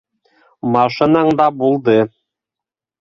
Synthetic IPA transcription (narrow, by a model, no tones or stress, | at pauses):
mɑʃɤ̆nɑɴd̪ɑbulˠd̪ɤ